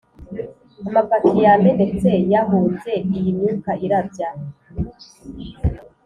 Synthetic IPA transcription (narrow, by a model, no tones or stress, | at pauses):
amapatʰijame̞ne̞t͡se̞jaɦuːnze̞ijinɲukaʔiɾabɟa